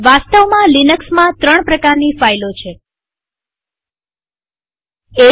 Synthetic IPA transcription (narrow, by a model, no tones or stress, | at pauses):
ʋast̪əʋmãlinəksmãt̪ɾəɳ̃pɾəkaɾnifailot͡ʃʰe | e